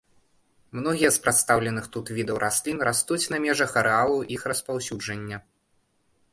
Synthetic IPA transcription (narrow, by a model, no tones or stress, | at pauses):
mnɔɣʲijɛspɾat̪st̪awlʲɛnɨxt̪ut̪vʲid̪ɐwɾʔasʲlʲinɾast̪ut͡sʲnɐmʲɛʐɐxɐɾɨalˠɐʔixrɐspawsʲud͡ʐɐnʲːɐ